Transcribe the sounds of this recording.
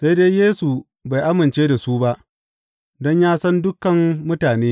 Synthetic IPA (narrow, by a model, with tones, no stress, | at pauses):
sa˦jdeː˦jeː˦su˨ | ba˨jʔa˦mɪ˨nt͡ʃeː˦da˨su˦ba˦ʔ | dɔ˦ɲjaː˦sɐ˦ndʊ˦kːɐ˨mːʊ˦taː˨neː˦